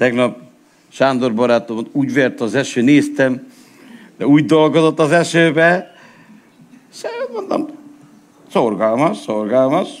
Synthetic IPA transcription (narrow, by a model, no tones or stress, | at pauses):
t̪ɛɡnɒp̚ | ʃaːnd̪orbɒɾaːt̪omt̪uːɟʋeːrt̪ɒzɛʃøːneːst̪ɛm | d̪ɛuːɟd̪olɡozot̪ːɒzɛʃøːbɛ | ʃɛt̪mond̪o̰m | sorɡɒlmɒʃsorɡalmɒʃ